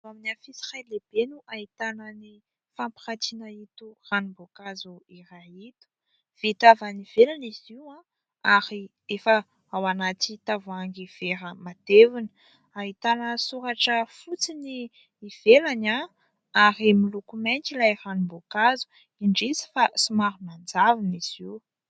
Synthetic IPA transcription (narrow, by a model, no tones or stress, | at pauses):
aminafisi̥rajleb̥enuʔait̪anəni | fampi̥χat̪inait̪uranubokazuirait̪u̥ | v̥it̪avaniv̥elaniziwã | aɾi | efə | awanat̪it̪avuaŋɡiv̥eɾəmad̪evunə | aɦit̪anəsuɾaʈ͡ʂəfut͡siniː | v̥elana | aɾimilukumenkilajranubokazu̥ | iɳɖ͡ʐizi̥fasimaɾunand͡zaviniz̥iw